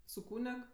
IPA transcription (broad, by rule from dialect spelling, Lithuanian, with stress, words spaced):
sʊ ˈkuːnʲɛk